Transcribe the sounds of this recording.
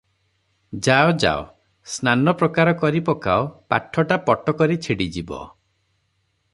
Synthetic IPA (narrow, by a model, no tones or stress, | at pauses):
d͡ʒaɔd͡ʒa̰o | snanɔpɾɔkaɾɔkɔɾipɔkaopa̰ʈʰːɔʈapɔʈɔkɔɾit͡ʃʰiɽid͡ʒibɔ̰